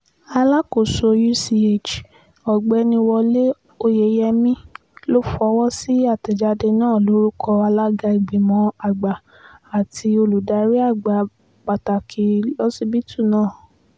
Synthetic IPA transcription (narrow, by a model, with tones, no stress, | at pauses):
a˧la˦ko˨so˧ju˦si˧e˦˨t͡ʃ | ɔ˨ɡ͡bɛ˧nĩ˧wɔ˧le˦ | o˧je˨˦jɛ˧mĩ˦ | lo˦fɔ˧˦wɔ˦si˦a˦˨tɛ˨d͡ʒa˧de˧nãː˦˨lo˨˦ɾu˦kʰɔ˧a˧la˦ɡa˧i˨ɡ͡bi˨mɔ̃˧˦a˨ɡ͡ba˨ | a˨tʰi˧o˧lu˨da˧˦ɾi˦a˦˨ɡ͡ba˨ | k͡pa˨ta˨kʰi˧˦lɔ˦si˦bi˦tu˦˨nãː˦˨